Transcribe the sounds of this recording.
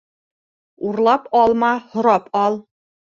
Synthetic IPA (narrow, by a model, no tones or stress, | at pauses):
uɾlˠɑpɑlˠmɑhŏɾɑpɑlˠ